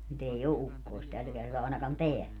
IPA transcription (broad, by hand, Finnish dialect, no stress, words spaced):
nyt ei o ukːoist tæl kertɑː ɑˑenɑkɑn teæl